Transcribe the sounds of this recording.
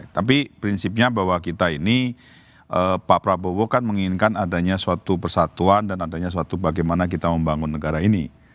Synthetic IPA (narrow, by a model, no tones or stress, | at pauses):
t̪ap̬ipɾinsɪp̚ɲabawakit̪aini | ʔəpapɾabobokanməŋiŋinkanadaɲasuat̪upərsat̪uandanadaɲas̬uat̪ubaɡɛjmanak̬it̪aməmbaŋʊnːəɡaɾaini